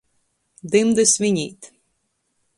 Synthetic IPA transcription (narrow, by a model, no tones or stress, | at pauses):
d̪ɪmd̪ɪsʲʋʲinʲḭt̪